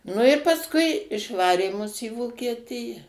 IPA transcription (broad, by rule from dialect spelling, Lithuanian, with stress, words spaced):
ˈnʊ ɪ pɐsˈkʊɪ ɪʃˈʋɑːrʲeː mʊs iː ʋoːkʲiɛˈtʲɪjɛ